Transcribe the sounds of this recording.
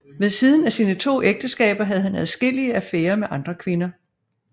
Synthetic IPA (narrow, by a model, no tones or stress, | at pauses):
ʋeðˠsið̞ˠn̩æsiːnət͡sʰo̝̰ːʔeɡ̥̚d̥əsɡ̥ɛ̰ːb̥ɐɦæð̞ˠhænɛðˠsɡ̥el̰iəæfæːɐmeʔɑ̈nd̥ʁɐkʰʋe̝nɐ